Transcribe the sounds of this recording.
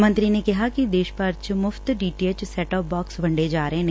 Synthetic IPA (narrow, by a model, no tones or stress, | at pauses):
mə̃nt̪ɾinekɐɦakid̪eːʃpɐɾt͡ʃmʊft̪ɖiːʈeːt͡ʃsɛːʈɔːp̚bɔːksbʱɐ̃ɳɖed͡ʒaːɾəɦẽn